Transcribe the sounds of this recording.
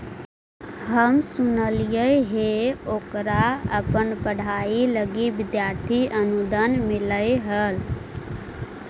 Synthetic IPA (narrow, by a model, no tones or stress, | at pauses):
ɦəmsunəlijəɦeoːkɾaə̰pənpəɽ̤ailəɡibɪd̪jaɾt̪ʰiʔənud̪ənmiləjɦəl